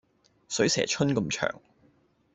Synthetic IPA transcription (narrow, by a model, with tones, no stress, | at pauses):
sɵ˨˥ɥsɛ̰ː˨˩t͡ʃʰɵ˥nkɐ˧mt͡ʃʰœ̰ː˨˩ŋ